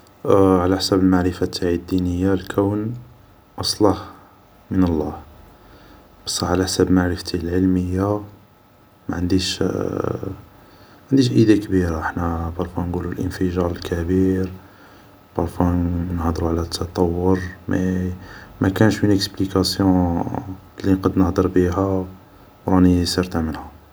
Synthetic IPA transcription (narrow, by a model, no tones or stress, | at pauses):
ʕlæħsæbəlmaʕɾəfat̪ʰːaʕid̪ːinəjːalkʰæwn | ʔɑsˤlɑh | mənəlˤːɑh | b̥ɑ̥sˤːɑʕlæħsæbmaʕɾəft̪ilʕəlməjːa | mæ̰ʕənd̪iʃ | ʕənd̪iʃʔəd̪ækbiɾaəħnæbɑɾˤfunɡululʔənfəʒɑɾˤəlkʰæbiɾ | bɑɾˤfunəhd̪əɾuʕlæt̪ʰːɑt̪ˤɑwːəɾmæ̰ | mækænʃmənəksplikæsjɔ̃ | liqɑd̪nəhd̪əɾˤbiɦæ | wɾɑnisiɾt̪amənhæ